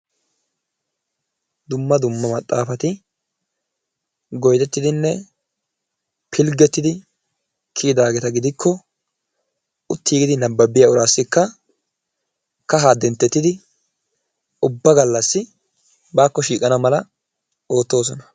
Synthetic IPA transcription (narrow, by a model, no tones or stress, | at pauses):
d̪ʊmːɐd̪ʊmːɐmɐt̪ʼːaːfɐt̪ɪ | ɡɔjt̪ɛt̪ːɪd̪ɪnːɛ | pʰɪlɡɛt̪ːɪd̪ɪ | kʰiːd̪aːɡɛt̪ɐɡɪd̪ɪkʰːɔ | ʊt̪ːiːɡɪd̪ɪnɐbːɐbɪjɐʊɾaːsːɪkːɐ | kɐɦaːd̪ɛnt̪ːɛt̪ːɪd̪ɪ | ʊbːɐɡɐlːɐsːɪ | baːkːɔʃiːkʼɐnɐmɐlɐ | oːt̪ːo̞ːs̬ɔnɐ̥